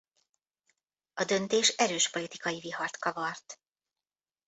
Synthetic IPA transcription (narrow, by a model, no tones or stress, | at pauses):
ɒd̪ø̞nt̪eːʃɛɾøːʃpo̞lit̪ikɒjivihɒrt̪kɒvɒrt̪